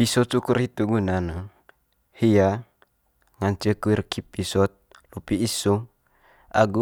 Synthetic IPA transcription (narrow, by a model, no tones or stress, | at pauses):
bisot͡ʃukurhit̪uɡunanə | hija | ŋaɲt͡ʃəkuirkʰipisɔt̪̚ | lupiisuŋ | a̰ɡu